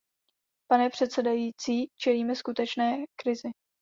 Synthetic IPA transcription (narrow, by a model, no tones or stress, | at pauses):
panɛpr̝̥ɛt̪sɛdajiːt͡siːt͡ʃɛliːmɛskut̪ɛt͡ʃnɛːkɾɪzɪ